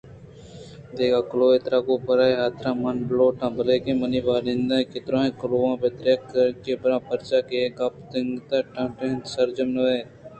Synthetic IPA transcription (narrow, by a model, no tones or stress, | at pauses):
d̪eːkaːkloːet̪ɾaːkoːpəɾaːeːɦaːt̪ʰɾãːmanbloːʈãːbəleːkẽːməniːʋaːɾẽnd̪ãːkɪt̪ɾõːɦẽːkʊloːãːpet̪ɾeːkəɾkeːbəɾãːpəɾt͡ʃaːkeɡapt̪ɪŋɡt̪aːʈãːʈent̪səɾd͡ʒəmnəeː